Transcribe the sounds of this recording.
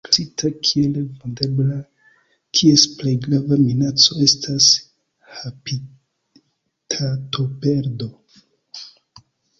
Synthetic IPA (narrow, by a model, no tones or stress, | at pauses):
ksitʰakʰielvondebla | kʰie̞splejɡɾavaminat͡so̞e̞stʰas | hapi | tʰato̞pe̞ɾdo̞